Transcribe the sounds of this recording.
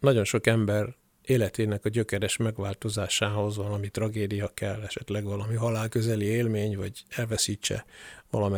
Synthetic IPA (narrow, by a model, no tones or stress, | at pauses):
nɒɟo̞nʃo̞kɛmbɛr | eːlɛt̪eːnɛkɒɟøkɛɾɛʃmɛɡʋaːlt̪o̞zaːʃaːɦo̞zvɒlɒmit̪rɒɡeːd̪ijɒkɛlːɛʃɛt̪lɛɡʋɒlɒmiɦɒlaːlkø̞zɛlieːlmeːɲvɒɟɛlvɛsiːt͡ʃːɛ̰vɒ̰lɒmɛ